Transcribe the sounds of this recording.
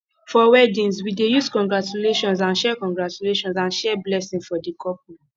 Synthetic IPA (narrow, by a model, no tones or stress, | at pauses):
fɔwɛdĩnswidejuskɔ̃ŋɡɹat͡ʃuleʃɔ̃ns̬ãnʃɛkɔ̃ŋɡɹat͡ʃuleʃɔ̃nsãnʃɛblɛsĩnfɔdikʰɔpmɛ̃